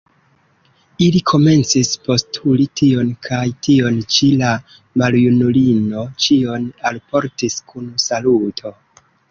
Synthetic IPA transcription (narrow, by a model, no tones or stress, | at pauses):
ilikʰo̞me̞nt͡sispo̞stʰulitʰio̞nkʰajtio̞nt͡ʃila | maljunulino̞t͡ʃio̞nalpo̞ɾtiskʰunsalutʰo̞